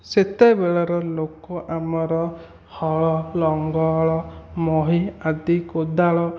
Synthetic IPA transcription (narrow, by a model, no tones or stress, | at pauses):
set̪ebeɭɔɾɔlokɔʔamɔɾɔ | hɔɭɔlɔŋɡɔɭɔmɔɦiad̪ikod̪aɭɔ